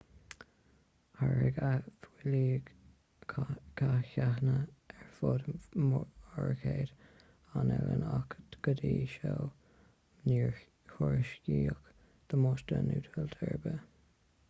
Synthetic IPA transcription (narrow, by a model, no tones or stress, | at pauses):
haɹɪɡafwɪliː | kʰaçahnəɛɹfod̪mɔɹkʰeːd̪ | anɛlənakɡ̥əd̪iːʃoː | niɹ | hʊɹʃkiːk | d̪̥əmoːʃtənuːt̪ʰəlt̪ʰɛɹbə